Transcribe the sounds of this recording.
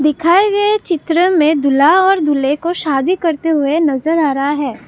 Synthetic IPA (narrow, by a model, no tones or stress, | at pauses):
d̪ɪkʰaːeɡɐet͡ʃɪt̪ɾəmẽd̪ʊlaɔːɾd̪ʊlekoʃaːd̪ikɐɾt̪eɦʊenɐzəɾaːɾɐɦaɦɛː